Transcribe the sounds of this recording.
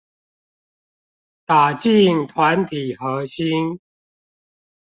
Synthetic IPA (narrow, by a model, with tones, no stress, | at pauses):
t̪a˨˩t͡ɕi˥˨˩ŋt̪ʰwa˨˦nt̪ʰi˨˩hə˨˧˦ɕi˦n